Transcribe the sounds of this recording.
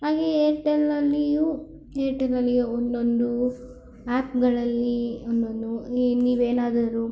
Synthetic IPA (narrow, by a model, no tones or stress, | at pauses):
ɦaːɡeeɾʈelɐlːiju | eːɾʈelɐlːijuond̪ond̪u | aːpɡɐɭɐlːiond̪ond̪uniːʋeːnaːd̪ɐɾu